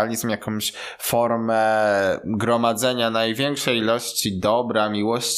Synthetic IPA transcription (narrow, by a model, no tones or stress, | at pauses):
lʲizmjakɔ̃mɕ | fɔɾmɛ | ɡɾɔmad̪zɛɲanajvʲjɛŋkʂɛjilɔɕt͡ɕid̪ɔbɾamʲiwɔɕ